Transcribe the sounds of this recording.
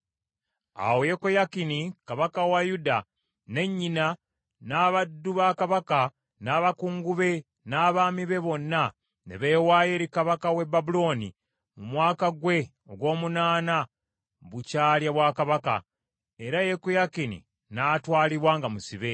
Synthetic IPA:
a̰wojekojakinikaβakawajuda | ne̞ɲːina | naːβadːuβakaβaka | naːβakuːŋɡuβe̞ | naːβaːmiβe̞βo̞nːa | nḛβe̞ːwaːjeɾikaβakawe̞babulo̞ːni | mumwaːkaɡwe̞ | oɡwo̞ːmunaːna | βucaːljaβwakaβaka̰ | e̞ɾajekojakinḭ | natwaːliβwaːŋɡamusiβe̞

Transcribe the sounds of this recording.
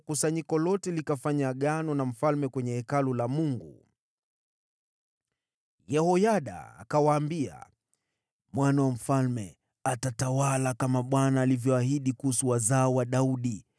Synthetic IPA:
kusaɲikɔlɔtɛlikafaɲaɠanɔnam̩falmɛkwɛɲɛhɛkalulamuŋɡṵ | jɛhɔjaɗa̰ːkawaːmbia̰ | mwanawam̩falmɛ | atatawalakamaɓwanaːlivjɔahiɗikuhusuwazaɔwaɗauɗi

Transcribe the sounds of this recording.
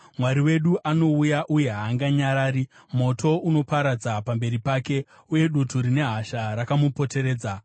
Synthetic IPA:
mwaɾiwe̞ɗuʔano̞ujaʔuje̞ɦaːŋɡaɲaɾaːɾi | mo̞tʰo̞uno̞paɾad͡zapambe̞ɾipake̞ | uje̞ɗutuɾine̞ɦaʃaɾakamupo̞te̞ɾe̞ːd͡za

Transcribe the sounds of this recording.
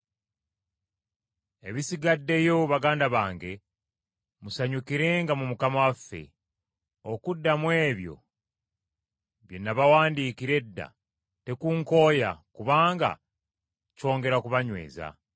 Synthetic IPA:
e̞βisiɡadːe̞jouβaɡaːndaβaːŋɡe̞ | musaɲukiɾe̞ŋɡamumukamawafːe̞̰ | okudːamwe̞ːβjo̞̰ | βje̞nːaβawaːndiːkiɾe̞dːa̰ | te̞kuŋko̞ːja̰kuβaːŋɡa̰ | co̞ːŋɡe̞ɾakuβaɲwe̞̰ːza̰

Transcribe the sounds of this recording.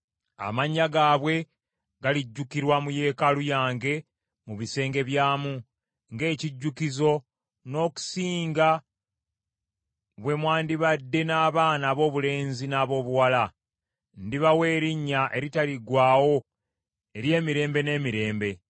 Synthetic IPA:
a̰maɲːaɡaːβwe̞ | ɡaliɟːukiɾwamuje̞ːkalujaːŋɡe̞ | muβise̞ːŋɡe̞βjaːmu | ŋɡe̞ːciɟːukizo̞ | no̞ːku̥siːŋɡa | βwe̞mwaːndiβadːe̞naːβaːnaːβo̞ːβule̞ːnzinaːβo̞ːβuwala | ndiβawe̞ːɾiɲːaʔe̞ɾitaliɡwaːwo̞ | e̞ɾje̞ːmiɾe̞ːmbe̞ne̞ːmiɾe̞ːmbe̞

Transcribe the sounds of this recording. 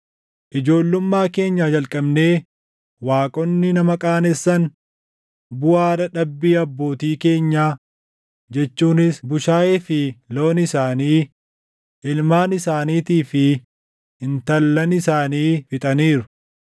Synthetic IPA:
ʔɪd͡ʒo̞ːlːʊmːaːke̞ːɲːaːd͡ʒɐlkʼɐbne̞ː | waːkʼɔnːɪnɐmɐkʼaːnɛsːɐn | bʊaːɾɐᶑɐbːiːɐbːo̞ːt̪iːke̞ːɲːaː | d͡ʒɛt͡ʃːuːnɪsbʊʃaːjefɪlo̞ːnɪsaːniː | ɪlmaːnɪsaːniːt̪iːfɪ | ɪnt̪ɐlːɐnɪsaːniːfɪt̪ʼɐniːɾʊ̥

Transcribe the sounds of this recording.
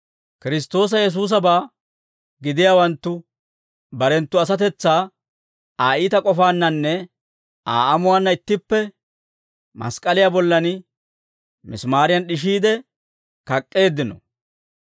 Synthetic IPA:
kɪɾɪs̬t̪o̞ːs̬ɐjɛs̬uːs̬ɐbaː | ɡɪd̪ɪjaːwɐnt̪ːʊ | bɐɾɛnt̪ːʊɐs̬ɐt̪ɛt͡sːaː | aːiːt̪ɐkʼɔfaːnːɐnːɛ | a̰ːʔɐmʊwaːnːɐɪt̪ːɪpːɛ | mɐ̰skʼɐlɪjaːbɔlːɐnɪ | mɪ̰smaːɾɪjɐnɗɪʃ̬iːd̪ɛ | kɐkʼːe̞ːd̪ːɪnɔ̰

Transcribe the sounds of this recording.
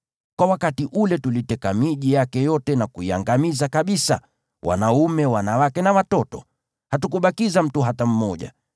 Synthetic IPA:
kwawakatiʔulɛtulitɛkamiʄijakɛjɔtɛnakuia̰ŋɡamizakaɓisa̰ | wʔa̰naumɛwanawakɛnawatɔtɔ̰ | hatukuɓakizam̩tuɦatam̩mɔʄa̰

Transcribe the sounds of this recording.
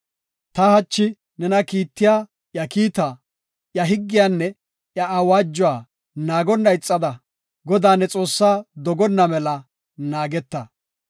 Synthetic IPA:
t̪ɐhɐt͡ʃːɪ | nɛnɐkiːt̪ːɪjaː | jɐkiːt̪a | jɐɦɪɡːɪjaːnːɛ | jɐʔawaːd͡ʒːɔwaː | naːɡɔnːɐɪt͡sʼːɐd̪ɐ | ɡɔd̪aːnːɛt͡sʼo̞ːsːaːd̪ɔɡɔnːɐmɛlɐ | naːɡɛt̪ːɐ

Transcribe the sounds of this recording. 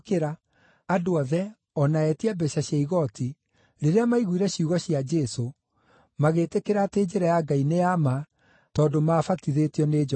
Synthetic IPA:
keɾaː | doaðɛ | ɔnaɛtiabɛʃaɕjaiɣɔti | ɾeɾeamaiɣuiɾɛɕiuɣɔɕiad͡ʒɛso | maɣetekeɾateːd͡ʒeɾajaɡaineama | tɔːdomaːfatiðetiɔned͡ʒ

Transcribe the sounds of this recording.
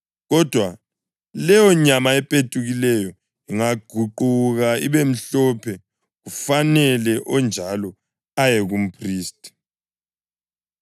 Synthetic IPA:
ɣɔd̥ʱwa | lɛjɔɲamaɛpʼetʼuɣilɛjɔ | iŋaɡ̥ʱuǃuɣaiβem̩ɬɔpʰɛ | ɣufanɛlɛʔɔnd͡ʒʱalɔ | ajɛɣum̩pʰriːstʼi̥

